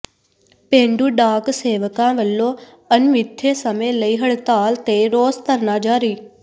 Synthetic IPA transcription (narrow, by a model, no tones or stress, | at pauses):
pẽːɳɖuːɖaːkseːʋəkãːʋəlːõː | ənmɪt̪ʰːeːsəmẽːləiːɦəɽt̪aːlt̪eːɾoːzt̪əɾnaːd͡ʒaːɾiː